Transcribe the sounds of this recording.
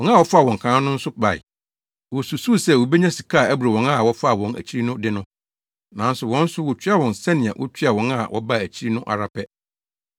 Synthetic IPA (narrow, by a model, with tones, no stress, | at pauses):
wɔ̃˨na˦wɔ˦fa˦˨wɔ̃˨ŋkʰãː˨˦nʊ̃˦n̩˦sʊ˦ba̰˨ɪ̰˨ | wɔ˨su˨su˦˨sɛ˦˨wo˨be˦ɲã˦si˨kʰa˦˨æ˦bu˨ɾa˨wɔ̃˨˦na˦˨wɔ˦fa˦˨wɔ̃˨næ̰˨t͡ɕʰi˦ɾi˦nʊ̃˦dɪ˦nʊ̃˦ | nã˨˦n̩˦sʊ˨wɔ̃˦n̩˦sʊ˦wɔ˨t͡ɕʰᶣɥa˨wɔ̃˨nsɛ˦nɪ̃˨ã̰˨wʔʊ̰˦t͡ɕʰi˦a˨wɔ̃˨˦na˦˨wʔɔ̰˦ba˦˨æ˨t͡ɕʰi˦i˦nʊ̃˦ʔa̰˨ɾa˨pʰɛ˦